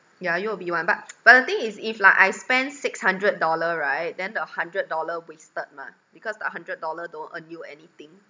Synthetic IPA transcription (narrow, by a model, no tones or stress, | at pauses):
jajuwəbiwãnbat̚b̥at̚dət̪ĩŋisiflaɪkajspɛ̃ndsɪkshãndɹət̚dɔləɹaɪt̚dɛ̃ndəhãndɹət̚dɔləwestət̚mã̰ | bikɔsdɛ̰t̚hɦãndɹət̚dɔlədõntənjuɛ̰nit̪ĩŋ